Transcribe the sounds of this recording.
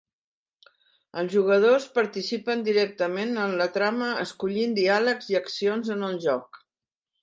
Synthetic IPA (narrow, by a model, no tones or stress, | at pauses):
əlˠzʒuɣəð̞ospəɾt̪isipənd̪iɾɛk̚t̪əmenənlət̪ɾaməəskuʎind̪ialəkziəksionzənəlˠʒɔk